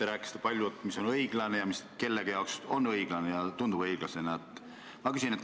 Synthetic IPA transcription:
eɾæːkːˑist̪epɑlʲjuet̪ːmiso̞nɤiɡ̥lɑnejɑmiske̞lːeɡ̥jɑokso̞nɤiɡ̥lɑnejɑt̪und̪ubɤjɡ̥lɑse̞nɑet̪ːˑ | mɑkysʲinet̪

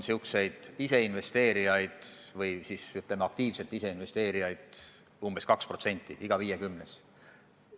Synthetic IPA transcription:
siukse̞jd̪̥ise̞inve̞st̪e̞ːɾijɑjd̪̥vɤjsisyt̪ˑlemeɑk̚t̪iːvse̞lt̪ːise̞inve̞st̪e̞ːɾijɑjd̪̥ | umbe̞skɑkspro̞t̪se̞nʲt̪ˑːḭʔiɡ̥ɑviːjekymnes

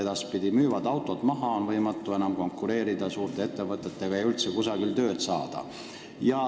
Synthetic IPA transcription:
ed̪ɑspid̪ʲimyːvɑd̪ɑwt̪ˑo̞t̪mɑɦɑonvɤjmɑt̪ːˑue̞nɑmko̞ŋkːˑuɾe̞ːɾid̪̥ɑsuːrt̪ˑe̞e̞t̪ːe̞vɤt̪ːˑe̞t̪ːe̞ɡ̥ɑejylt̪sekusɑɡ̥ilt̪ø̞ːd̪̥sɑːd̪̥ɑ̰ | jɑ

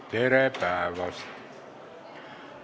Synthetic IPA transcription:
t̪eɾepæːˑʋɑs

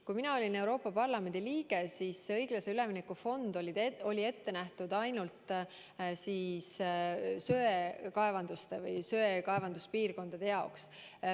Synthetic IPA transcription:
kujminɑo̞lʲine̞wɾo̞ːpːˑɑpɑrlɑme̞nd̪iliːɡ̥e̞sisːeɤjɡ̥lɑse̞ylɛminekːufo̞nd̪olid̪o̞lʲie̞t̪ːe̞næht̪ud̪ɑjnult̪ˑ | siːs | søːekɑevɑnd̪̥ust̪evɯjsøekɑevɑnd̪̥uspiːrko̞nd̪̥ɑd̪̥e̞jɑoks

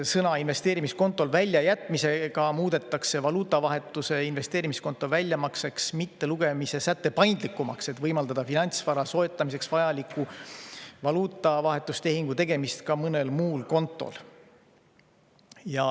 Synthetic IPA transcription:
sɤnɑinve̞st̪e̞ːɾimisko̞nt̪ːˑo̞lvælʲːjɑjæt̪ːˑmise̞ɡ̥ɑmuːd̪e̞t̪ːˑɑkse̞vɑluːt̪ːˑɑvɑɦe̞t̪ːˑuse̞inve̞st̪eːɾimisko̞nt̪ːˑo̞vælʲːjɑmɑkse̞ksmit̪ːe̞luɡ̥e̞mise̞sæt̪ːe̞pɑjnd̪̥likːˑumɑkse̞t̪vɤjmɑld̪ɑd̪ɑfinɑnʲt̪svɑɾɑso̞et̪ˑːɑmise̞ksvɑjɑlikːˑu | vɑluːt̪ːˑɑvɑɦe̞t̪ːˑust̪e̞ɦiŋɡ̥ut̪e̞ɡ̥e̞mist̪kɑmɤne̞lmuːlko̞nt̪ːˑo̞̰l | jɑ

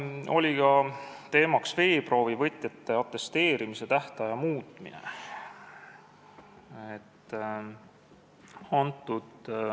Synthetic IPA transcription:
o̞̰lʲikɑt̪e̞ːmɑksve̞ːpro̞ːvivɤt̪ˑjɑt̪ːe̞ɑt̪ːˑe̞st̪e̞ːɾimise̞t̪æht̪ɑjɑmuːt̪ˑmḭnḛ | et̪ː | ɑnt̪ːˑud̪̥

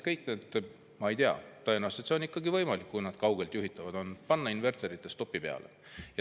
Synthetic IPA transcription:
kɤjknet̪ːˑ | mɑe̞jt̪eɑ̰t̪ɤenɑwst̪et̪seonikːɑɡivɤjmɑlikːujnɑd̪̥kɑwɡe̞lt̪juɦit̪ːˑɑvɑd̪̥o̞npɑnːɑinve̞rt̪eɾit̪ˑːe̞st̪o̞pːˑipe̞ɑ̰lḛ | jɑ

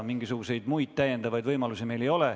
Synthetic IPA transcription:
miŋɡ̥isuɡ̥use̞jd̪̥mujd̥̪t̪æje̞nd̪̥ɑvɑjd̪vɤjmɑlusime̞jle̞jo̞le

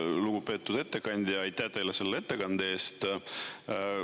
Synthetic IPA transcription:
luɡ̥upe̞t̪ːˑud̪̥e̞t̪ːˑe̞kɑnʲd̪̥ʲjɑɑjt̪ˑːæt̪ejlese̞lːee̞t̪ːe̞kɑnd̪̥eeːst̪

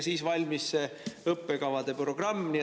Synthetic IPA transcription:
siːsvɑlʲmisːeɤpːe̞kɑvɑd̪̥e̞pro̞ɡ̥rɑmːni

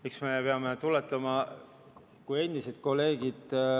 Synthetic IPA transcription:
miksmepeɑmet̪ulet̪ˑlɑmɑ | kuje̞nʲd̪ised̪̥̚ko̞lːe̞ːɡid̪̥

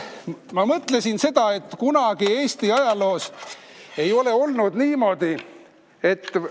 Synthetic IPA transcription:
mɑmɤt̪ˑle̞sinse̞d̪̥ɑe̞t̪ːkunɑɡ̥ie̞ːst̪iɑjɑlo̞ːs | e̞jo̞le̞o̞lnud̪niːmo̞d̪̥i | e̞t̪ː

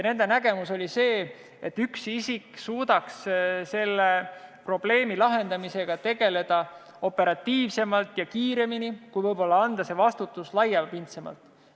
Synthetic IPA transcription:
jɑne̞nd̪e̞næɡ̥e̞muso̞lʲise̞ː | et̪ːyksisiksuːd̪̥ɑksse̞lːepro̞b̥le̞ːmilɑɦe̞nd̪ɑmise̞ɡ̥ɑt̪e̞ɡ̥e̞le̞d̪̥ɑ | o̞pːe̞ɾɑt̪ːiːvse̞mɑlt̪jɑkiːɾe̞minikujvɤjbo̞lːɑɑnd̪̥ɑse̞vɑst̪ut̪ːˑuslɑjːɑpint̪semɑ̰lt̪ˑ

